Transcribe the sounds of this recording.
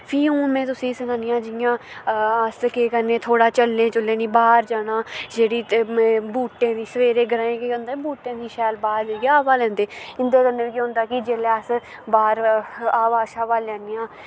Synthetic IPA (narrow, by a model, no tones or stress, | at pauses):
pʰiːũːmɛ̃ːt̪ʊsĩːsənaːnɪjãːd͡ʒɪjãːəskeːkənẽːt̪ʰoːɽaːt͡ʃəlːẽːt͡ʃʊlːẽːniːbaːɾd͡ʒaːɽ̃ãːd͡ʒeːɽiːbuːʈːẽːd̪iːsəʋeːɾeːɡəɾaːẽːkeːkənd̪eːbuːʈːẽːd̪iːʃɛːlbaːɾʋeːɡeaːʋaːlɛ̃ːnd̪eːɪnd̪eːkənːeːiːkiːɦʊ̃nd̪aːkɪd͡ʒeːleːəs | baːɾaːʋaːʃaːʋaːlɛ̃ːneːãː